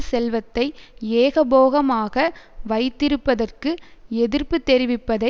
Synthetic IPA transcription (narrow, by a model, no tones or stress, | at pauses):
sɛlʋɐt̪ːɐɪeːɣɐboːɣɐmaːɣɐʋɐɪt̪ːɪɾɯpːɐðɐrkɯɛðɪrpɯt̪ːɛɾɪʋɪpːɐðɐ